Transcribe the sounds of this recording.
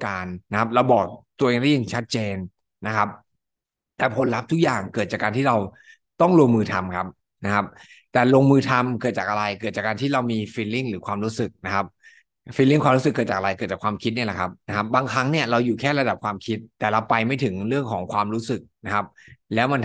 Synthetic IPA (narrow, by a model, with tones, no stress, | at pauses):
kaː˧nːa˦˥kʰa˦˥p̚ɾa˧wbɔː˨˩k̚t̪u˧əʔeː˧ŋda˥˩ja˨˩ŋt͡ɕʰa˦˥t̪̚t͡ɕeː˧n | na˦˥kʰa˦˥p̚ | t̪ɛː˨˩pʰo˨˦nɾa˦˥p̚t̪ʰu˦˥k̚jaː˨˩ŋkɤː˨˩t̪̚t͡ɕaː˨˩kaː˧nt̪ʰiː˥˩ɾa˧w | t̪ɔ˥˩ŋlo˧ə˧ŋmɯː˧t̪ʰa˧mkʰa˦˥p̚ | na˦˥kʰa˦˥p̚ | t̪ɛː˨˩loː˧ŋmɯː˧t̪ʰa˧mkɤ˨˩t̪̚t͡ɕaː˨˩k̚ʔa˧ɾa˧jkɤ˨˩t̪̚t͡ɕaː˨˩kaː˧nt̪ʰiː˥˩ɾa˧wmiː˧fiː˧li˥˩ŋɾɯː˩˦kʰwaː˧mɾuː˦˥sɯ˨˩k̚na˦˥kʰa˦˥p̚ | fiː˧li˥˩ŋkʰwaː˧mɾuː˦˥sɯ˨˩kːɤː˨˩t̪̚t͡ɕaː˨˩ʔa˧ɾa˧jkɤ˨˩t̪̚t͡ɕaː˨˩kwaː˧mkʰi˦˥t̪̚ni˥˩la˨˩kʰa˦˥p̚na˦˥kʰa˦˥p̚baː˧ŋkʰɾa˦˥ŋni˥˩ɐɾa˧wjuː˨˩kʰɛː˥˩ɾa˧da˨˩p̚kʰwaː˧mkʰi˦˥t̪ːɛː˨˩ɾa˧wpa˧jma˥˩jt̪ʰɯ˩˦ŋɾɯ˥˩əŋkʰɔː˩˦ŋkʰwaː˧mɾuː˦˥sɯ˨˩k̚na˦˥kʰa˦˥p̚lɛː˦˥wma˧n